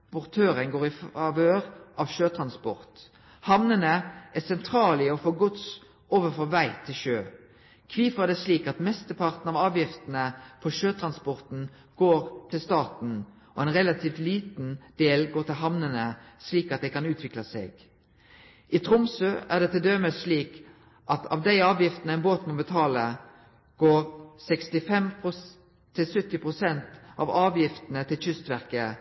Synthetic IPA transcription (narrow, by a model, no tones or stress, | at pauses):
pɔʁt̪ʰøːʁəŋɡoːʁɪfɑʋøːʁʔɑʋʃøːt̪ʰʁɑnspɔ̰ʁt̪ | hɑmnənəæsɛnt̪ʰɾɑːlɪɔfoːɡʊt̪s | oːʋəfɔʋæɪt̪ʰɪlʃøː | kʰʋiːfəd̪ɛsliːkɑt̪mɛst̪əpʰɑʁt̪n̩ɑːʋɑːʋjɪft̪ənəpʰɔʃøːt̪ʰʁɑnspɔʁt̪n̩ | ɡ̥oːʁt̪ʰɪlst̪ɑːʁt̪n̩ | ɔɛnʁɛlɑt̪ʰiːft̪liːt̪n̩d̪̥eːlɡoːt̪ɪlɦɑmnənəsliːkɑt̪̚d̪æɪkɑnʉːt̪ʰʋɪklɑsḛːɡ | ʔɪt̪ʰʁʊmsøːʔæːʁd̪ɛt̪ɪld̪øːməsliːk | ʔɑt̪ʰɑ̰ːʋd̪æɪɑːʋjɪft̪nəæɪnboːt̪moːbət̪ʰɑːlə | ɡ̥oːʁsɛkst̪ɪfɛmʊ | t̪ʰɪlsʏt̪ːɪpʰʁʊsɛnt̪ɑ̰ʋɑːʋjɪft̪ənət̪ʰɪlçʏst̪ʋæʁkə